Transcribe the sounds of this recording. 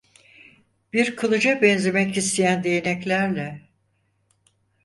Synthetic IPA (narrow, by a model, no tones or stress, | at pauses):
b̥iɾkʰɯlˠɯd͡ʒabɛnze̞mɛcist̪ʰejænd̪e̞jenɛclʲæɾlʲɛ